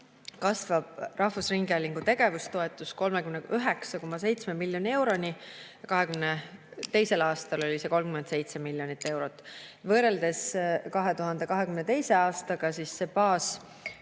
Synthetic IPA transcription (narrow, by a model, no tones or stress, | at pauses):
kɑsvɑb̥rʔɑhvusriŋɡɑlʲiŋɡ̥ut̪e̞ɡ̥e̞vust̪o̞e̞t̪ːˑusko̞lme̞kymneyɦe̞ksɑko̞mːɑse̞jt̪sme̞milːjo̞nʲie̞wɾo̞nʲijɑkɑɦe̞kymnet̪e̞jse̞lɑːst̪ɑlo̞lʲiseko̞lmkyme̞nd̪se̞jt̪semilːjo̞nit̪ːˑe̞wɾo̞t̪ːˑvɤːɾe̞ld̪̥e̞skɑɦe̞t̪uɦɑnd̪̥e̞kɑɦe̞kymne̞t̪e̞jse̞ɑːst̪ɑɡ̥ɑsisːe̞pɑːs